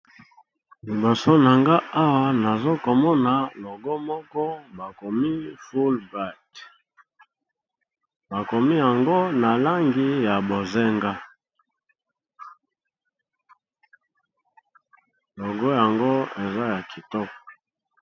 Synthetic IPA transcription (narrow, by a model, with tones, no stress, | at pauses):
li˨bo˨so˦na˨ŋɡa˦a˦wa˦na˨zo˦ko˨mɔ˦na˨lɔ˨ɡɔ˦mɔ˦kɔ˦ba˨ko˨mi˦fu˦lba˦˨t | ba˨ko˨mi˦ja˨ŋɡo˦na˨la˦ŋɡi˦ja˨bo˨ze˦ŋɡa˦ | lɔ˨ɡɔ˦ja˨ŋɡo˦e˨za˦ja˨ki˨tɔ˦k